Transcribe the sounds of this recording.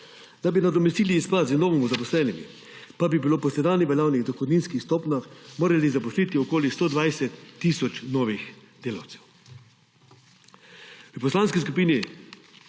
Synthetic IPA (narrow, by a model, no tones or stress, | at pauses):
d̪abinad̪ɔmɛst̪iːliːspat̪zinɔːʋimuzapɔslɛːnimḭ | pabibiloːpɔsɛd̪aːnɛʋɛlaːwnixd̪ɔxɔd̪ninskixst̪oːpnaxmoːɾalizapɔsliːt̪iɔkoːlist̪oːd̪ʋajsɛt̪ːisɔt͡ʃnɔːʋixd̪̥eːlawt̪sɛw | pɔslaːnskiskupiːni